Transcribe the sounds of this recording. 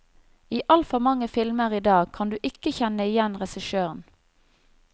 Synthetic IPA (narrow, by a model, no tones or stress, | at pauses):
iːʔɑlfɔmɑŋəfɪlməʁiːd̪ɑːɡ̚kʰɑnd̪ʉːʔɪkəçɛnəɪjɛnʁɛsɪʃøːʁən